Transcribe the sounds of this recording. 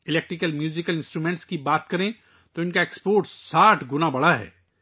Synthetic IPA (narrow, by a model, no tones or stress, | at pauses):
ɪlek̚ʈɾɪkəlmjuːzɪkəlɪ̃nsʈɾuːmẽːɳʈskibaːt̪kɐɾẽ | t̪oɪnkaekspoːɾʈssaːʈʰɡʊnabɐɽaɦɛ̰ː